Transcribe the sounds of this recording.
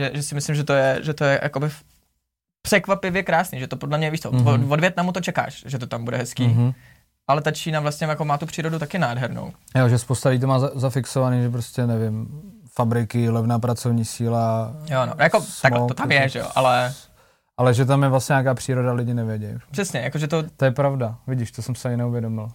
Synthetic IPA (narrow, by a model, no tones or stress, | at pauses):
ʒɛʒɛsɪmɪslɪmʒɛt̪ojɛʒɛt̪ojɛja̰ko̞bɪ | pr̥ɛkvapɪvjɛkɾaːsniːʒɛt̪opodlɛmɲɛviːʃt͡soovodvjɛt̪namut̪ot͡ʃɛka̰ːʃʒɛt̪ot̪ambudɛ̰ɦɛskiː | ʔalɛt̪at͡ʃiːnavlast̪ɲɛmjakomaːt̪upr̝̥iːɾo̞dut̪akɪnaːdɦɛɾno̰wjoʒɛspowst̪alɪɟiːt̪omaːzazafɪksovaniːʒɛp̬ɾoscʲɛnɛvɪm | fabɾɪkɪlɛvnaːpɾat͡sovɲiːsiːlajonojakost̪amlt̪ot̪amjɛʒɛjo̰ʔa̰lɛ | ʔalɛʒɛt̪̬amjɛvlasɲɛɲaːkaːpr̥iːɾodalɪɟɪnɛvjɛɟɛ̰jpr̥ɛsɲɛjakoʒɛt̪ot̪ojɛpɾavdavɪɟɪʃt̪osɛmsɪaɲɪnɛuvjɛdomɪl